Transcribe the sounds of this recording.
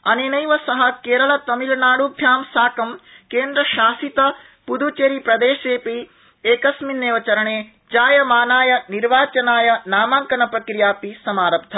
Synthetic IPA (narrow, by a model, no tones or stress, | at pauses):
ɐninɐjʋɐsɐɦɐkeːɾɐɭɐt̪ɐmilnaːɽub̪ʱjaːmsaːkɐmkeːnd̪ɾɐʃaːsit̪ɐ | pud̪ut͡ʃeːɾipɾɐd̪eːʃeːpi | eːkɐsminːeːʋɐt͡ʃɐɾɐɳeː | d͡ʒaːjɐmaːnaːjɐniɾʋaːt͡ʃɐnaːjɐnaːmaːŋkɐnɐpɾɐkɾijaːpisɐmaːɾɐbt̪ʰɐ